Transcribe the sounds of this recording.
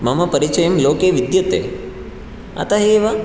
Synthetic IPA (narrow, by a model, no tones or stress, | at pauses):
mɐmɐpɐɾit͡ʃɐjɐmloːkeːʋid̪jɐt̪ḛ | ɐ̰t̪ɐɦeːʋɐ